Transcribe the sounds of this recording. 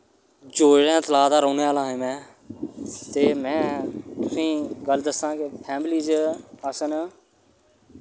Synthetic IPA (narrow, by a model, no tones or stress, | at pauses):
d͡ʒoːɾãːt̪əlaːd̪aːɾoːneːaːlãːɦẽːmɛ̃ː | t̪eːmɛ̃ːt̪ʊsĩːɡəld̪əsãːkepʰɛːmliːd͡ʒəsən